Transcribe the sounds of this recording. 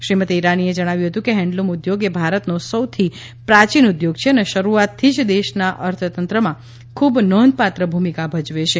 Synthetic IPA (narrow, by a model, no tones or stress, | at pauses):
ʃɾimət̪eiɾanied͡ʒəɽ̃aʋjuɦət̪ũkeɦɛ̃ɳɖlomud̪joɡebʱaɾət̪nosəwt̪ʰi | pɾat͡ʃinud̪joɡt͡ʃʰeəneʃəɾuat̪ʰːid͡ʒd̪eʃnaʔəɾt̪ʰət̪ənt̪ɾəmã | kʰubnɔnd̪̚pat̪ɾəbʱumikabʱəd͡ʒʋet͡ʃʰe